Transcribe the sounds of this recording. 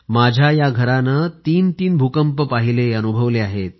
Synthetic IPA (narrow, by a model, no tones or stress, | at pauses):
mad͡ʑʱjajaɡʱəɾanət̪iːnt̪iːnbʱukəmpəpaɦileənubʱəʋleaɦet̪̚